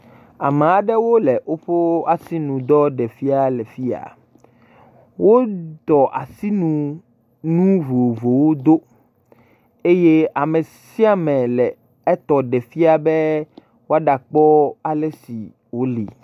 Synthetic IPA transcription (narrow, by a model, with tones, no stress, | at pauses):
a̰˨m˨a˨ɖɛ˦wo˦lɛ˨ʔo˦ɸo˦a˨si˦nũ˨d̪ɔ˦ɖɛ˨fi˦a˨lɛ˨fi˦a̰˨ | wo˦d̪ɔ˨ʔa˨si˦nũ˨ | nũ˦vo˨vo˨wo˦d̪o˦ | e˦je˦a˨me˨ | si˦a˦mɛ̃˨lɛ˨ | ɛ˦t̪ɔ˨ɖɛ˨fi˦a˨bɛ˦ | wo˦a˦ɖa˨k͡pɔ˦a˨lɛ˦sḭ˨ | wo˦lḭ˨